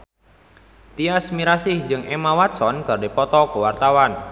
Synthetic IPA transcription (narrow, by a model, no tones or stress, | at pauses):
t̪iasmiɾasɪhd͡ʒɨŋʔemawat̪sɔnkɨrdipɔt̪ɔkəwart̪awan